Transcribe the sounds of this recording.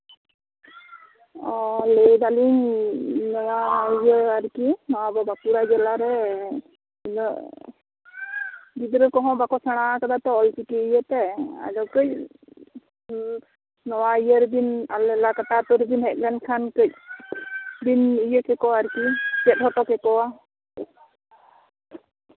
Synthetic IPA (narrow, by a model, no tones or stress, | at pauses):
ɔlejd̪aliŋ | nɔwaijəaɾkinɔwabɔbakuɾad͡ʒɛlaɾɛ | inɔ | d̪id̪ɾɛkɔɦɔ̃bakɔsaɽ̃akad̪at̪ɔɔlt͡ʃikiːjət̪ɛa̰lɔwkəc̚ | nɔwaijəɾd̪inalɛlakatat̪ɔɾd̪inhɛt̪̚ˀlɛnkʰankəc̚ | d̪inijəkɛkɔaaɾkit͡ʃɛt̪̚hɔʈɔkɛkɔwa